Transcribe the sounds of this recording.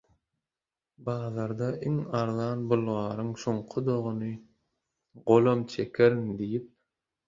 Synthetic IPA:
bɑːðɑɾd̪ɑʔiŋɑɾðɑːnbulˠʁɑːɾɯŋsoɴqʰʊd̪oʁunɯ | ɢolˠomt͡ʃʰekʰeɾiŋd̪ijip̚

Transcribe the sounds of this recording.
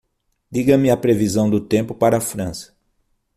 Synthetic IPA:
d̪iɡɐmɪɐpɾevizɐ̃w̃d̪ʊt̪ẽmpʊpaɾɐfɾɐ̃sɐ̥

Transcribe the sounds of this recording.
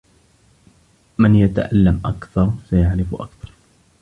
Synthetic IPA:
mɪnjat̪aʔalːamʔakθɑɾˤsajaʕɾɪfʔa̰kθɑ̥ɾˤ

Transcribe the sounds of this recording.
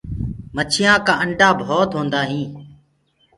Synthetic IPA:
mət͡ʃʰɪjãːkãːəɳɖaːbʱoːt̪ɦõːnd̪aːɦĩː

